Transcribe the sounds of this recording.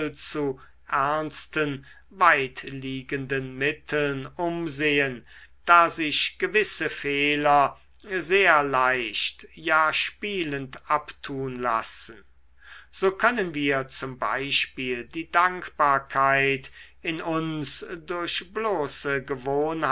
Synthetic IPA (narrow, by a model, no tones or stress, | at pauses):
lt͡su | ʔæɐnstən | vaɪtliːɡəndənmɪtʰəl̩nʊmzeːən | d̥aːzɪɕɡ̥əvɪsəfeːlɐ | zeːɐlaɪʃtjaːʃpiːləntʔaptʰuːnla̰sən̩ | z̥oːkʰœnənviːɐt͡sʊmba̰ɪʃpiːldiːdaŋkb̥aːɐkʰaɪt | ɪnʔʊnsdʊɐɕbloːsəɡəvoːnh